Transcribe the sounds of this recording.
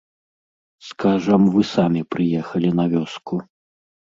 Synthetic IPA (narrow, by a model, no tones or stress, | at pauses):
skaʐɐmvɨsamʲipɾɨjɛxɐlʲinɐvʲɔsku